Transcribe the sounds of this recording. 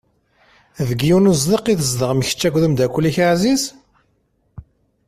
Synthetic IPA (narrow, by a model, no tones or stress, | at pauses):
ðəɡjunuzðiqiθəzd̪əʁmçə̥t͡ʃːæɡʷðəmd̪ækʷːlːiçaʕziz